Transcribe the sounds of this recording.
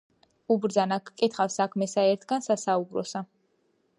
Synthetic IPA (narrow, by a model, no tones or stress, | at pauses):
ubɾd̪zanakʰkʼit̪ʰχafsakʰmɛsaɛɾt̪ʰɡansasaubɾɔ̰sa